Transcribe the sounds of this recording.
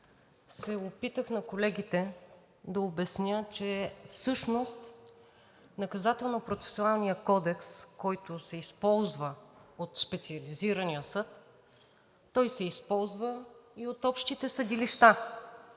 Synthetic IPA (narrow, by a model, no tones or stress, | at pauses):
sɛopit̪əxnɐkolɛɡʲit̪ɛ | d̪ɐobɛsnʲət͡ʃɛfsɤʃnost̪ | nɐkɐzat̪ɛlˠnopɾot̪sɛ̥sualˠnijəkɔd̪ɛkskɔjt̪ʊsɛispɔlˠzvəot̪spɛt̪siɐliziɾɐnijəsɤt̪ | ɔjsɛispɔlˠzvəiot̪ɔpʃt̪it̪ɛsəd̪iliʃt̪a